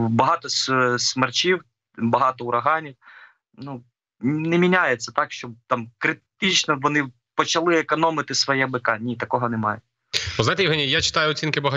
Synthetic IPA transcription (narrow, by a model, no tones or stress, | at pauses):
bɐɦɑt̪ɔssmert͡ʃiw | bɐɦɑt̪ɔʊɾɐɦɑnʲiw | nu | nɛmʲinʲajet͡sʲːɐt̪ɑkʃt͡ʃɔbt̪ɑmkɾɪt̪ɪt͡ʃnɔʋɔnɪ | pɔt͡ʃɐlˠɪekɔnɔmɪt̪ɪsʋɔjɛbɪkɑnʲit̪ɐkɔɦɔnɛmɑjɛ | ɔzajt̪ejʊɦɛnʲijat͡ʃɪ̥t̪ɑjʊɔt͡sʲinkɪbɐɦ